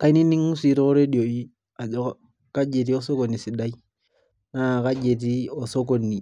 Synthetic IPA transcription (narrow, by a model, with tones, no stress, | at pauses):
ka˦i˦ni˦ni˦ŋːu˦si˨ɾo˦ɾe˦di˨o˨i˦ | a˨d͡ʒɔ˦ | ka˦d͡ʒe˨t̬i˦o˦so˦ko˨ni˨si˨da˦i˦ | na˨ka˦d͡ʒe˨t̬i˦o˨so˦ko˨nːi˨